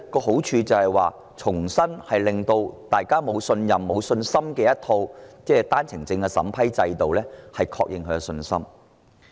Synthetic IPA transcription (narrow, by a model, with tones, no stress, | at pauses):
kɔː˧ɦo˨˥wt͡ʃʰyː˨˧t͡sɐ˨˩whɐ˨jwaː˨˩ | t͡sʰʊ˨˩ŋsɐ˥nhɐ˨jlɪ˨ŋt̪o˧wt̪aː˨jkaː˥mo˨˧wsɵ˧njɐ˨mːo˨˧wsɵ˧nsɐ˥mkɛː˧jɐ˥t̚t̪ʰo˧wt͡sɛː˥t̪aː˥nt͡sʰɪ˨˩ŋt͡sɪ˧ŋkɛ˧sɐ̰˨˥mpʰɐ˥jt͡sɐ˧jt̪o˨wlɛː˥hɐ˨jkʰɔ̰˧k̚jɪ˨ŋkʰɵ˨˧˥kɛ˧sɵ˧nsɐ̰˥m